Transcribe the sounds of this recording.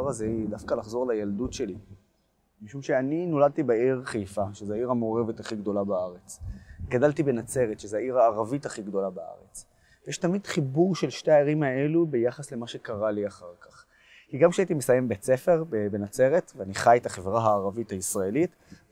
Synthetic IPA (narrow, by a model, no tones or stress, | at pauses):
aʁazeidafkalaχzo̞ʁlajald̪utʃe̞li | miʃumʃeanino̞lad̪̚t̪ibaiʁχejfaʃezeaiʁameoʁe̞vetaχiɡd̪o̞labaaʁet͡sɡadalt̪ibe̞nat͡se̞ʁet̪ʃezeaiʁaːʁavitaχiɡd̪o̞labaa̰ʁet͡s | vjeʃtamid̪χibuʁʃe̞lʃteaiʁimae̞lube̞jaχasle̞maʃe̞kaʁaliaχaʁkaχ | kiɡamkʃeait̪̬imesaje̞mbet͡se̞fe̞ʁbebenat͡se̞ʁetvaniχajet̪aχevʁaɦaːʁavithaisʁaelit